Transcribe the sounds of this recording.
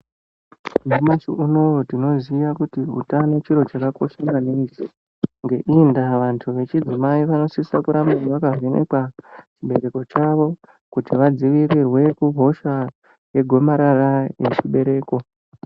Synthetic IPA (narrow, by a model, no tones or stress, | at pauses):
mumat͡ʃiʔuno̞otino̞zijakutiṵtanot͡ʃiɾo̞t͡ʃakako̞ʃamaneisi | ŋɡe̞ʔindaʋantʰuʋe̞t͡ʃid͡zimaiʋano̞sisakuɾamaʋakave̞nḛkwat͡ʃiɓe̞ɾe̞ko̞t͡ʃaʋo̞ | kutiʋad͡ziʋirirwe̞kuɦo̞ʃa | je̞ɡʱo̞maɾaraje̞̰t͡ʃiɓe̞ɾe̞ːko̞